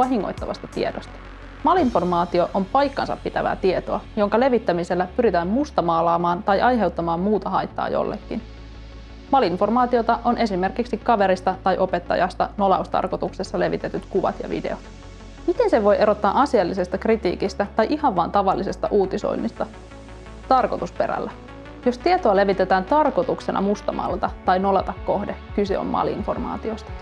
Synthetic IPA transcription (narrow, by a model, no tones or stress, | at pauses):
ʋɑɦiŋːo̰jt̪ːɑʋɑ̰st̪ɑt̪ḭe̞dost̪ɑ̥ | mɑlinfo̞rmɑːt̪io̞ʔompɑjkːɑ̰nsɑ̰pːit̪æʋæ̰ːt̪ie̞t̪oɑjo̞ŋkɑle̞ʋit̪ːæmise̞lːæpyɾit̪æːmmust̪ɑmɑːlɑːmɑːnt̪ɑjʔɑjɦe̞wt̪ːɑmɑːmmuːt̪ɑɦɑ̰jt̪ːɑ̰ːjo̞̰lːḛkːḭn | mɑlinfo̞rmɑːt̪io̞t̪ɑʔo̞nʔe̞sime̞rkiksikɑʋe̞ɾist̪ɑt̪ɑjʔo̞pe̞t̪ːɑ̰jɑ̰st̪ɑno̞lɑ̰ust̪ɑ̰rko̞t̪uksesːɑle̞ʋit̪e̞t̪yt̪kuʋɑ̰t̪jɑ̰ʋḭde̞̰ot̪ | mit̪e̞nseʋo̞jʔe̞ɾo̞t̪ːɑːʔɑsielːise̞st̪ɑkrit̪ḭːkist̪æt̪ɑjʔihɑʋʋɑːnt̪ɑʋɑlːise̞st̪ɑʔuːt̪iso̞̰jnːist̪ɑ | t̪ɑrko̞t̪uspe̞ɾæ̰lːæ | jo̞st̪iet̪oɑle̞ʋit̪e̞t̪æːnt̪ɑrko̞t̪uksenʔɑ̰must̪ɑmɑ̰lt̪ɑt̪ɑjno̞lɑt̪ɑkːo̞hdekyse̞̰o̰mmɑ̰liḭnfo̞rmɑ̰ːt̪io̞st̪ɑ̥